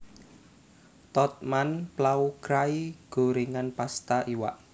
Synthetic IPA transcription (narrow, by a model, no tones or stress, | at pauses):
t̪ɔt̪̚manplaukɾaiɡ̥o̤ɾiŋanpast̪aʔiwa̰ʔ